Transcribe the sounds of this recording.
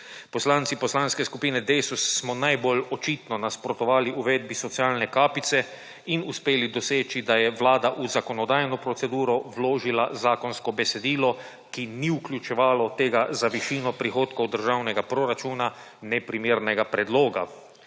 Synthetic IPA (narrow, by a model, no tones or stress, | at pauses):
pɔslaːnsipɔslaːnskɛskupiːnɛd̪ɛjsusːmɔnajbolɔt͡ʃiːt̪nɔnaspɾɔt̪ɔʋaːliʔuʋed̪̚bisɔt̪siaːlnɛkaːpit̪sɛ | inuspeːlid̪ɔseːt͡ʃid̪ajɛʋlaːd̪aʔuzakɔnɔd̪aːjnɔpɾɔt̪sɛd̪uːɾɔwloːʒilazaːkɔnskɔbɛsɛd̪iːlɔ | kiniuklʲjut͡ʃɛʋaːlɔt̪eːɡazaʋiʃiːnɔpɾixoːt̪kɔwd̪əɾʒawnɛɡapɾɔɾat͡ʃuːna | nɛpɾimeːɾnɛɡapɾɛd̪loːɡa̰